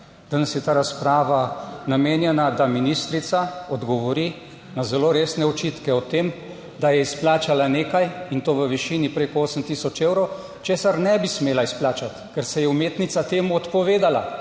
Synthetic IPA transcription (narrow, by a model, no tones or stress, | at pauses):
d̪̥anɛsjɛt̪aːɾaspɾaːʋanameːnjɛnad̪aminist̪ɾit̪saɔd̪ɡɔʋɔɾi | nazɛloːɾeːsnɛɔt͡ʃit̪kɛɔt̪eːm | d̪ajɛisplaːt͡ʃalaneːkajint̪oːʋəʋiʃiːnipɾekɔoːsəmt̪isɔt͡ʃeːwɾɔw | t͡ʃeːsaɾnɛbismeːlaisplaːt͡ʃat̪kɛɾsɛjɛumeːt̪nit̪sat̪eːmuɔt̪pɔʋeːd̪ala̰